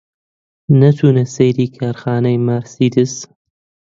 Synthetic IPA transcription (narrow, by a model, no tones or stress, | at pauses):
nɐt̪ʰuːnɐsejɾiːkʰaːɾxaːnɐjmaɾsiːd̪ɨs